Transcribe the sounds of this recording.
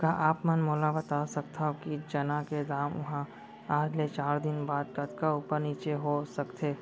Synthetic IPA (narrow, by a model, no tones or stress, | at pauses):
kaːʔaːpmənmoːlabɐt̪asɐk̚t̪ʰaɦokid͡ʒɐnaked̪aːmʊ̰ɦã | aːd͡ʒlet͡ʃaːɾd̪ɪnbaːd̪kɐt̪kauːpəɾniːt͡ʃeɦosɐkt̪ʰeː